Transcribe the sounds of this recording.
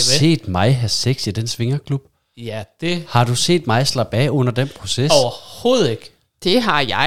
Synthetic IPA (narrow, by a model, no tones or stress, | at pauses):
se̝̰ːd̥mɑ̈ɪɦæseɡ̥sid̥ensʋe̝ŋɐkʰlub̥ | jæd̥ehɑ̈d̥use̝̰ːd̥mɑ̈ɪslɑb̥ɛɔ̽n̰ɐd̥enpʰʁo̝sesɒʊɐho̝̰ːð̩ˠeɡ̥ | d̥e̝ɦɑ̈jɑ̈ɪ